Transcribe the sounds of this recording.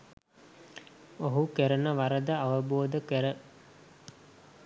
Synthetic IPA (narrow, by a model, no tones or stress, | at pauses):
oɦukeɾənəʋaɾəd̪əaʋəboːd̪əkəɾə